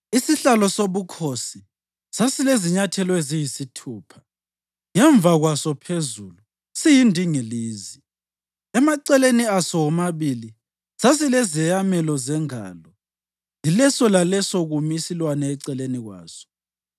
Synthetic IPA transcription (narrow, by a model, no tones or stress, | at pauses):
isiɬalɔsoβukʰosi | sasileziɲatʰɛlɔezijisitʰuːpʰḁ | ŋɛɱb̪vaɣwasɔpʰezulu | sijindʱiŋiliːzi | ɛmaǀɛleniasɔwɔmaβili | sas̬ilɛzɛjamɛlɔzɛŋa̰ːlɔ | jilɛsɔlalɛsɔɣumisilwanɛːǀɛleniɣwa̰ːsɔ̥